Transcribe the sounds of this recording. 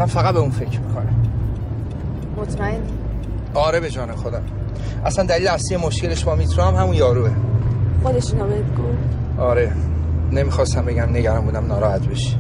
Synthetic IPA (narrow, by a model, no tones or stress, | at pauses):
ɾæmfæɣæt̪̚beuːnfe̞cʰɾmikʰonæm | mot̪ʰmæeni | ʔɒːɾe̞be̞d͡ʒɒːnexod̪æm | ʔæsænd̪æliːleæslijemoʃkcele̞ʃbɒːmit̪ʰɾohæmhæmunjɒːɾuexod̪eʃinɒbeet̪ɡu | ʔɒːɾe̞ | ne̞mixɒːst̪æmbe̞ɟæmneɟæɾæmbuːd̪æmnɒːɾɒːhæt̪̚ʰbeʃi̥